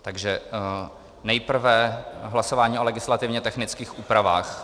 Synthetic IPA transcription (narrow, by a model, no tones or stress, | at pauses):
t̪aɡʒɛ | nɛjpr̩vɛɦlasovaːɲiːʔolɛɡɪslat̪ɪvɲɛt̪ɛxnɪt͡skiːxuːpɾavaːx